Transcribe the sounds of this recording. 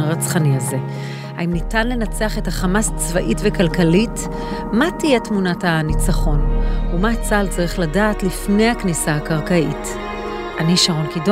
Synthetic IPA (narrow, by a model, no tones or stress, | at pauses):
ʁat͡sχaniaze̞ | haimnitanle̞nat͡seaχe̞taχamast͡svaʔitvekalkalit | matijetmunathanit͡saχo̞numat͡salt͡saʁiχladaːtlifne̞jhaknisaakaʁkait | ʔaniʃaʁonkido